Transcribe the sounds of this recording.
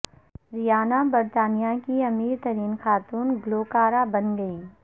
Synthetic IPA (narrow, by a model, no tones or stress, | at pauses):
ɾijaːnabɐɾt̪aːnijakiɐmiːɾt̪ɐɾiːnxaːt̪uːnɡloːkaːɾabɐnɡɐiː